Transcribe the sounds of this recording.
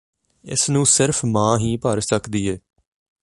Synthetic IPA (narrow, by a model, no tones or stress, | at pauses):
ɪ̰snũːsɪɾfʰmãːɦiːpəɾsəkd̪iːɦɛː